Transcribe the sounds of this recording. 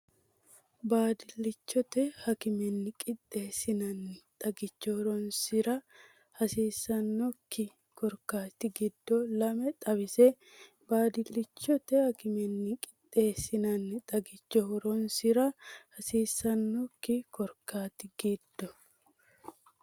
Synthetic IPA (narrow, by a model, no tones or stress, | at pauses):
baːd̪ɪlːɪt͡ʃːɔt̪ɛhɐkɪmɛnːɪkʼɪt̪ʼːe̞ːsɪnɐnːɪt̪ʼɐɡɪt͡ʃːɔhʊɾɔnsɪɾɐ | hɐsiːsːɐnːɔkːɪ | kɔɾkaːt̪ɪɡɪd̪ːɔlɐmɛt̪ʼɐβɪsɛ | baːd̪ɪlːɪt͡ʃːɔt̪ɛhɐkɪmɛnːɪkʼɪ̥t̪ʼːe̞ːsɪnɐnːɪt̪ʼɐɡɪt͡ʃːɔhɔɾɔnsɪɾɐhɐsiːsːɐnːɔkːɪkɔɾkaːt̪ɪɡ̥ɪd̪̥ːɔ